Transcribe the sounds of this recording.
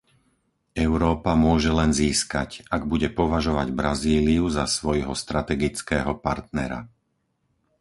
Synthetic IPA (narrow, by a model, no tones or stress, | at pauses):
ɛʊɾɔːpamʊɔʒɛlɛnziːska̰caɡ̚buɟɛpɔʋaʒɔʋaɟbɾaziːliuzasʋɔjɦɔst̪ɾat̪ɛɡit͡skɛːɦɔpaɾt̪nɛɾa̰